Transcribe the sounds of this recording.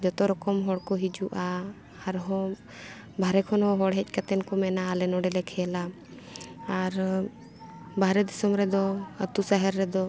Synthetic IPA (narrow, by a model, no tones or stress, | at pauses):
d͡ʒɔt̪ɔɾɔkɔmɦɔɽkɔɦid͡ʒuʔaː | ɾɦɔ̃ | bʱaɾɛkʰɔnɔɦɔɽɦɛc̚ˀkat̪ɛnkɔmɛnaːlɛnɔɖɛlɛkʰɛla | aɾ | bʱaɾɛd̪isɔmɾɛd̪ɔət̪usaɦɛɾːɛd̪ɔ